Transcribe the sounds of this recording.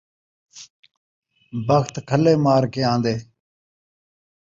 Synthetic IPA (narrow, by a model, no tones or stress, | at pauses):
bəxt̪kʰəleːmaːɾkeːãːnd̪eː